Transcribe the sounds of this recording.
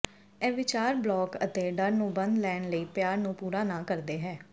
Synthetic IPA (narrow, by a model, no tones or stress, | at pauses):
ɛːʋɪt͡ʃaːɾblɔːkə̰t̪eːɖəɾnũːbənd̪lɛːnləiːpjaːɾnũːpuːɾaːnãːkəɾd̪eːɦɛː